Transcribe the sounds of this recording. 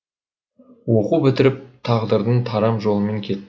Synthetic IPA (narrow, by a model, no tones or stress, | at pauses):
wo̞qubɪt̪ɪɾɪp̚t̪ʰɑʁd̪əɾd̪ənt̪ʰɑɾɑmʒo̞lˠəme̞ŋkʲʰe̞